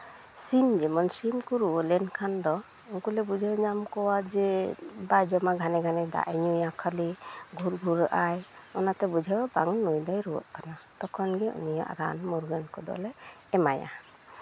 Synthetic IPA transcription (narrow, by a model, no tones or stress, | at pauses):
simd͡ʒɛmɔnsimkuɾuɔlɛnkʰand̪ɔ | uŋkulɛbud͡ʒʱawɲamkɔwad͡ʒɛbajd͡ʒɔmaɡʱanɛɡʱanɛd̪a̰ʔiɲujakʰaliɡʱuɾɡʱuɾaʔajɔnat̪ɛbud͡ʒʱawbaŋnujd̪ɔjɾuwɔ̰ʔ̚kanat̪ɔkʰɔnɡɛṵnija̰ʔɾa̰nmuɾɡankɔd̪ɔ̰lɛ | ɛmaja̰